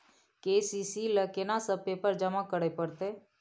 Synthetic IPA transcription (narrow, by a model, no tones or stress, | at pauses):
kesisiləkenasəb̚pepəɾd͡ʒəmakəɽepəɾt̪e